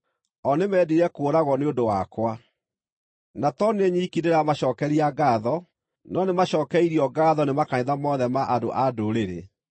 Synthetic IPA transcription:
ɔnemɛːdiɾɛkoːɾaɣɔneondowakwa | natɔneɲiːkineɾamaɕɔːkɛɾiaɡaðɔ | nɔnemaɕɔːkɛiɾiɔɡaðɔnemakaɲeðamɔðɛmaʔado̰ʔadoɾeɾḛ

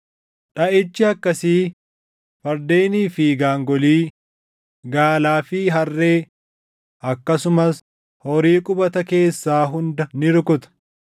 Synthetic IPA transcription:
ᶑɐʔɪt͡ʃːɪɐkːɐsiː | fɐɾd̪eːniːfiɡaːŋɡɔliː | ɡaːlaːfiːɦɐrːe̞ː | ʔɐkːɐsʊmɐs | hɔɾiːkʼʊbɐt̪ɐke̞ːsːaːɦʊnd̪ɐnɪɾkʊt̪ɐ̥

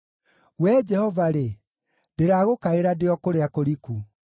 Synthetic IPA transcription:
wɛd͡ʒɛhɔvaɾe | deɾaːɣokaeɾadeɔkoɾeakoɾiku

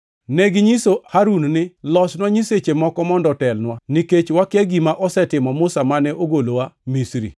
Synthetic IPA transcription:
neɡɪɲisohaɾunnɪlɔsnwaɲiset͡ʃemɔkɔmɔndɔtɛlnwaniket͡ʃwakeɡimaʔɔsɛtɪmɔmʊsamanɛʔoɡolowamisɾḭ

